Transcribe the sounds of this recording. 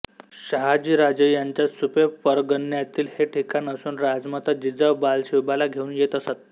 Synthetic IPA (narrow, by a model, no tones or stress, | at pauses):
ɕəɦad͡ʑiːɾad͡zəjaɲt͡ɕjasupepəɾɡənjat̪iːlheʈʰikanəsuːnɾad͡zmət̪ad͡ʑid͡zəʋbalɕiwbalaɡʱeuːnjet̪əsat̪̚